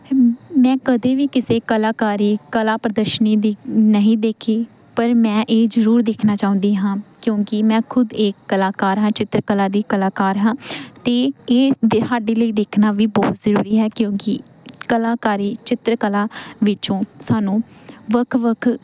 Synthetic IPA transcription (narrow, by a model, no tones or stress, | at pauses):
mɛ̃ːkəd̪eːʋiːkɪseːkəlaːkaːɾiːkəlaːpɾəd̪əʃəniːd̪inəɦĩːd̪eːkʰeː | pəɾmɛ̃ːʔeːzəɾuːɾd̪eːkʰnaːt͡ʃaːʊ̃nd̪iːɦãːkjõːkɪmɛ̃ːkʰʊd̪eːkːəlaːkaːɾɦãːt͡ʃɪt̪ɾkəlaːd̪iːkəlaːkaːɾɦãːt̪eːeːsaːɖeːləiːd̪eːkʰnaːʋiːbɔːt̪zəɾuːɾiːɦɛːkjõːkɪ | kəlaːkaːɾiːt͡ʃɪt̪ɾəkəlaːʋɪt͡ʃõːsaːnũːʋəkʰʋəkʰ